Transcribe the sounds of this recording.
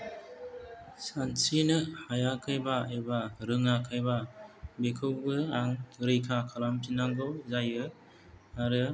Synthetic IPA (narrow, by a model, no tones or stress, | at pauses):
sansinɯhajakʰɯjbaebaɾɯŋakʰɯjbabekʰɯwɡɯaŋɾɯjkʰakʰalamtʰinaŋɡɔzajɯ | aɾɯ